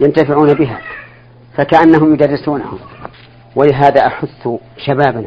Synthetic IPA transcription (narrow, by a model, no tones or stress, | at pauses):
jant̪afɪʕuːnabɪɦa̰ː | fakaʔanːaɦʊmjʊd̪ɑrːɪsuːna̰hʊ̰m | walɪɦaːðaːʔaħʊθːʃabaːban